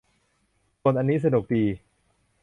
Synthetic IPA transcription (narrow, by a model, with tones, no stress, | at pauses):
so˧nʔa˧nːiː˦˥s̬a˧nu˨˩k̚tiː˧